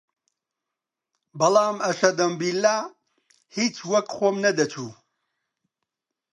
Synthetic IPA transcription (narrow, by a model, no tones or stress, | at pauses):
bɐlaːmɐʃɐd̪ɐmbilːaː | hit͡ʃwɐkxʷoːmnɐd̪ɐt͡ʃʰuː